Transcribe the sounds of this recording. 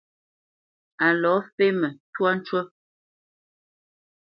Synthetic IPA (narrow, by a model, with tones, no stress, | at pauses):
a˨lɔ˨˦fe˦mə˨twa˦n̩˦t͡ʃwə˦